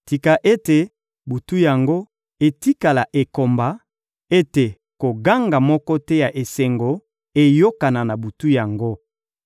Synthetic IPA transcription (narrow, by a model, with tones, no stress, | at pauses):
ti˨ka˨ʔe˦te˨ | bu˨tu˦ja˨ŋɡo˦ | e˨ti˦ka˨la˨ʔe˨ko˨mba˨ | e˦te˨ | ko˨ɡa˦ŋɡa˨mɔ˦kɔ˦tɛ˦ja˨ʔe˨se˨ŋɡo˨ | e˨jo˦ka˨na˨na˨bu˨tu˦ja˨ŋɡo˦